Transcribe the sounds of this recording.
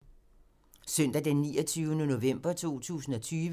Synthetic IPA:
sœn̰d̥æd̥enːiːɒt͡sʰyːʊnəno̝ʋem̰b̥ɐt͡sʰo̝̰ːt͡sʰṵːsn̩ɒ̽t͡sʰyːʋ

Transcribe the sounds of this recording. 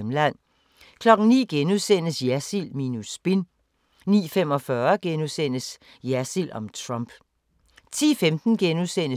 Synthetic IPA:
mlæn̰ | kʰlɒ̽ɡ̥n̩nḭːɡ̥enuðˠsen̰əsjæsilminusb̥in | nḭːfem̰ɒ̽fɶːɐɡ̥enusen̰əs | jæsil̰ɒ̽mt͡sʰʁɑmb̥ | t͡sʰḭːfemd̥n̩ɡ̥enuðˠsen̰ə

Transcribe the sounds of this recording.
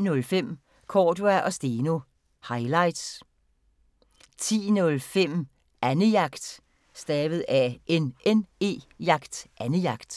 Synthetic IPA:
nɔ̽lfem̰ | kʰɒːduæʔɒ̽sd̥iːno̝ | hɑ̈ɪlɑ̈ɪd̥s | t͡sʰḭːnɔ̽lfem̰ | ʔænəjɑ̈ɡ̥d̥ | sd̥ɛːʋð̞̩ˠæʔenene̝̰ːjɑ̈ɡ̥d̥ʔænəjɑ̈ɡ̥d̥

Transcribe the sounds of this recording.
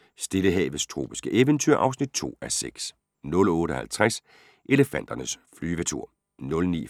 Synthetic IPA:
sd̥e̝ləɦɛ̰ːʋð̩ˠst͡sʰʁo̝̰ːb̥i̥sɡ̥əʔeʋənt͡sʰyɐ̰ʔɑ̈ʊsnid̥̚t͡sʰo̝̰ːæseɡ̥s | nɔ̽lɔ̽ːɾ̥əhælt͡sʰʁas | ʔe̝ləfæn̰d̥ɐnəsflyːʋət͡sʰuɐ̰ | nɔ̽lnḭː

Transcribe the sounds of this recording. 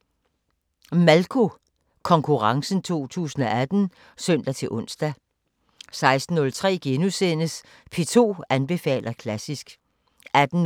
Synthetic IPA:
mælkʰo | kʰɒ̽ŋkʰuʁɑ̈ŋsn̩t͡sʰo̝̰ːt͡sʰṵːsn̩ɒæd̥n̩ | sœn̰d̥æt͡sʰe̝lʔɔ̽n̰sd̥æ | sɑ̈ɪsd̥n̩ːɔ̽lt͡sʰʁɛ̰ːɡ̥enusenəs | pʰe̝ːt͡sʰo̝̰ːænb̥e̝fɛ̰ːlʔɐkʰlæsisɡ̥ | æd̥n̩

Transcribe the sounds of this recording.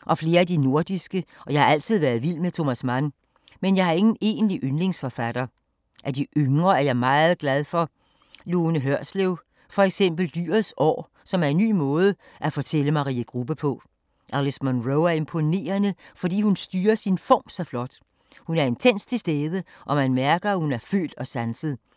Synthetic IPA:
ʔɒ̽fle̝ːɐæd̥ino̝ɐd̥isɡ̥əʔɒ̽jɑ̈ɪhɑ̈æl̰t͡sʰið̰ˠʋæɐð̞̩ˠʋil̰met͡sʰo̝mæsmæn | menjɑ̈ɪhɑ̈e̝ŋn̩e̝̰ːnliʔønle̝ŋsfɒfæd̥ɐ | ʔæd̥iʔøŋʁɐæɐjɑ̈ɪmɑ̈ːð̩ˠɡ̥læð̞ˠfɒ̽ | luːnəɦøɐ̰sleʊ | fɒ̽eɡ̥sem̰b̥l̩d̥y̰ːɐðˠsɒ̰ː | sɒ̽mæɐe̝nːy̰ːmɔ̽ːð̞ˠə | ʔæfɒt͡sʰeləmɑ̈ʁḭːəɡ̥ʁub̥əpʰɔ̽ | ʔælesmɔnʁoʊæɐe̝mpʰo̝ne̝̰ːɐnəfɒd̥ḭːhunsd̥yːɐsinfɒ̰ːmsɒ̽flɒ̽d̥ | hunæɐe̝nt͡sʰen̰st͡sʰe̝lsd̥eːðˠəʔɒ̽mænmæɐɡ̥ɐæhunæɐfø̰ːld̥ɒ̽sænsəð̞̩ˠ

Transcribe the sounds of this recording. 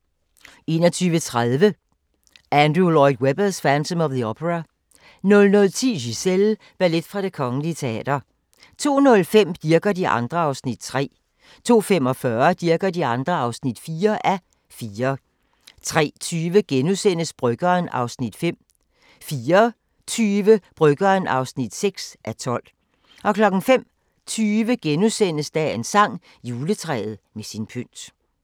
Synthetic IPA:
e̝ːnɒt͡sʰyːʋət͡sʰʁaðˠʋə | ʔænd̥ʁulɒɪd̥web̥ɐsfænd̥ʰɔ̽mɒʋðˠiopʰəʁɑ | nɔ̽lnɔ̽lt͡sʰḭːɕisel | b̥æɐle̝d̥fʁɑ̈ɾ̥e̝kʰɒ̽ŋn̩liət͡sʰe̝ɛ̰ːd̥ɐ | t͡sʰo̝̰ːnɔ̽lfem̰d̥iɐɡ̥ɐdiʔɑ̈nd̥ʁɐɑ̈ʊsnid̥̚t͡sʰʁɛ̰ː | t͡sʰo̝̰ːfem̰ɒ̽fɶɐd̥iɐɡ̥ɐdiɑ̈nd̥ʁɐɑ̈ʊsnid̥fiːɐʔæ | fiːɐ | t͡sʰʁɛ̰ːt͡sʰyːʋəɡ̥enusen̰əsb̥ʁœɡ̥ɐːnʔɑ̈ʊsnid̥fem̰ | fiːɐ | t͡sʰyːʋəb̥ʁœɡ̥ɐːnɑ̈ʊsnid̥seɡ̥sʔæt͡sʰɒ̽l̰ | ʔɒ̽kʰlɒ̽ɡ̥n̩fem̰ | t͡sʰyːʋəɡ̥enusen̰əsd̥æensɑ̈ŋ̰ | juːlət͡sʰʁɛ̰ːð̞̩ˠmesinpʰøn̰d̥

